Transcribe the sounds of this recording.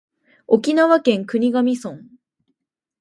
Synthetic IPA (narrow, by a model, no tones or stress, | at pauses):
o̞kʲinaβakẽ̞ŋkɯ̟ɲ̟iɡamʲisõ̞ŋ